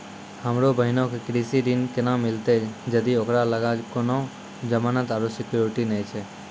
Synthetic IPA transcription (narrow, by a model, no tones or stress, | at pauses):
həmɾobʱəɦɪnokekɾisiɾinkɪnãmɪlt̪ed͡ʒəd̪iokɾaləɡakonõ | d͡ʒəmaːnət̪aɾosɪkjoɾɪʈinət͡ʃʰe